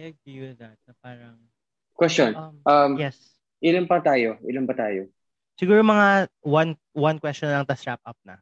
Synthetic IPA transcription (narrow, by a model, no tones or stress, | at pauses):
ɐɡiwɪðɐt̪̚nɐpaːɾɐŋ | kwɛst͡ʃonʔɐmjɛs | ʔɪlampɐt̪aːjoʔɪlambɐt̪aːjo | sɪɡuːɾomɐŋawan | wɐnkwɛst͡ʃɔnɐŋt̪ɐst̪ɾap̚ʔɐp̚nɐ̰